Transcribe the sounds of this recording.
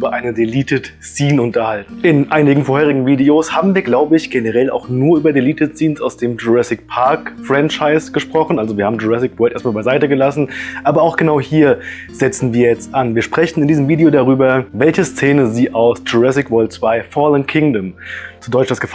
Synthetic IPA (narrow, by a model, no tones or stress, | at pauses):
ʔyːbɐʔaɪnədeliːtʰət | t͡siːnʊntɐhaltn̩ʔɪnʔaɪnɪɡŋ̩foɐheːʁɪɡŋ̩viːdeoːshaːbm̩viːɐɡlaʊbəɪçɡ̥enəʁɛla̰ʊxnuːɐʔyːbɐdeliːtətt͡siːnsaʊsd̥eːmd͡ʒuʁɛsɪk̚pʰaɐkfʁɛnt͡ʃaɪsɡ̥əʃpʁ̥ɔχn̩ʔalzoviɐhaːbm̩d͡ʒuʁɛsɪkvœːltʔeɐstmalbaɪzaɪtəɡəlasn̩ʔaːbɐaʊxɡ̥ənaʊhiːɐ | z̥ɛt͡sn̩viːɐjɛt͡stʔanviːɐʃpʁ̥ɛçn̩ɪndiːzəmviːdeoːdaʁyːbɐvɛlçəst͡seːnəziːʔaʊsd͡ʒuʁɛsɪkv̥ɛɐlt̚t͡sv̥aɪfɔːlənkʰɪŋdəmt͡sudɔʏtt͡ʃd̥asɡ̥əf